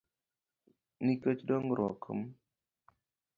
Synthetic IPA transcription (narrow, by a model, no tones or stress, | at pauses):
nikət͡ʃdɔŋɾɔ̰kʰə̰m